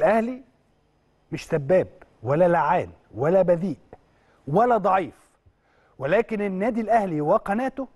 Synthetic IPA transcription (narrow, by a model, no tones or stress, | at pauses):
lʔæhli | mɪʃsæbːæːb̚wælːælːaʕaːn | wælːæbæd̪iːʔ | wælːæd̪ˤɑʕiːf | welæːkɪnɪnːæːd̪ilʔæhliwæqænæːt̪ʊ